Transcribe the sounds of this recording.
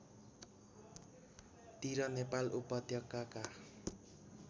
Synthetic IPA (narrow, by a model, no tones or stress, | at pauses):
t̪iɾɔnepalʔupɔt̪jɔkaka